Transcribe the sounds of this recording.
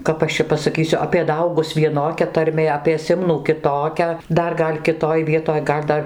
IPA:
ˈkɐp ɐʃ t͡ʃʲɛ pɐsɐˈkʲiːsʲʊ ɐpʲiɛ ˈdɐʊɡʊs ʋʲiɛˈnoːkʲɛ tɐrʲˈmʲeː ɐpʲiɛ ˈsʲɪmnuː kʲɪˈtoːkʲɛ ˈdɐr ˈɡɐlʲ kʲɪˈtoːj ˈʋʲiɛtoːj ˈɡɐlʲ ˈdɐr

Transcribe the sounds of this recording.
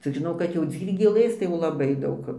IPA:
ˈt͡sʲɪk ʒʲɪˈnɐʊ kɐt jɛʊ ˈd͡zʲiːrʲɡʲeːlˠɘs tɐɪ jɛʊ lˠɐˈbɐɪ ˈdɐʊk

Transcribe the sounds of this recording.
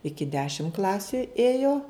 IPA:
ˈɪkʲɪ ˈdʲæːʃʲɪm ˈklˠɑːsʲʊ ˈeːjoː

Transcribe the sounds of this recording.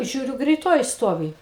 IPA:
ˈʒʲuːrʲʊ ɡrʲɛɪˈtoːjɪ ˈstoːʋʲɪ

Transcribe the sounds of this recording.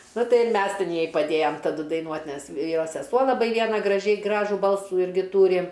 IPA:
ˈnʊ ˈtɐɪ ɪr ˈmʲɛs ˈtʲɪn ˈjɛɪ pɐˈdʲeːjɛm tɐˈdʊ dɐɪˈnuɔtʲ ˈnʲɛs ˈjoːs sʲɛˈsuɔ lˠɐˈbɐɪ ˈʋʲiɛnɐ ɡrɐˈʒʲɛɪ ˈɡrɑːʒuː ˈbɐlˠsuː ˈɪrʲɡʲɪ ˈtuːrʲɪ

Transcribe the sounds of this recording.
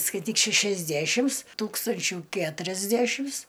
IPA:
skɐɪˈtʲiːk ʃʲæʃʲɛzʲˈdʲæʃʲɪms ˈtuːkstɐnʲt͡ʃʲʊ ˈkʲæːtʊrʲɛzʲdʲæʃʲɪms

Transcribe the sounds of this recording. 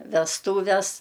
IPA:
ʋʲɛsˈtuːʋʲɛs

